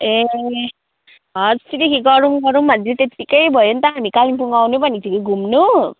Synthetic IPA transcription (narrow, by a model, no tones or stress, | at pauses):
e | ɦʌst̪it̪ikiɡʌɾuŋɡʌɾumʌnd͡zet̪et̪ikʌjbʱʌjont̪ʌɦamikalimpuŋɡawnubʌnit̪ʰikuɡʱumnu